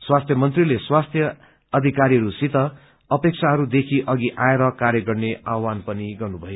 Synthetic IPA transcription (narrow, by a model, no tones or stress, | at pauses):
swast̪ʰjʌmʌnt̪rileswast̪ʰjʌː | d̪ʱikaɾiɦʌɾusit̪ʌ | ʌpek̚t͡sʰaɦʌɾud̪ekʰiʔʌɡiʔaeɾʌkaɾjʌɡʌrneawanpʌniɡʌrnubʱʌjo